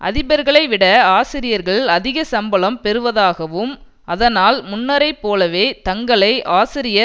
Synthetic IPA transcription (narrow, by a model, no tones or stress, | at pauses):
ʔɐ̰ðɪbɐɾɣɐɭɐɪʋɪɽɐaːsɪɾɪjɐɾɣɐɭɐðɪɣɐsɐmbɐlɐmpɛɾɯʋɐðaːɣɐʋɯm | ɐðɐnaːlmʊnːɐɾɐɪpːoːlɐʋeːt̪ɐŋɡɐɭɐɪʔaːsɪɾɪjɐ